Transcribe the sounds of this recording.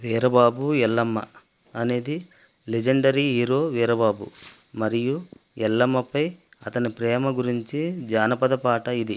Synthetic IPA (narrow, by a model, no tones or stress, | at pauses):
ʋɛːɾɐbaːbuɛlːɐmːɐ̰ | ɐne̞ːd̪i | led͡ʒɐɳɖɐɾiɦiːɾo̞ːʋɛːɾɐbaːbṵ | mɐɾijuɛlːɐmːɐpɐjɐt̪ɐnipɾɛːmɐɡuɾiɲt͡ʃid͡ʒaːnɐpɐd̪ɐpaːʈɐid̪i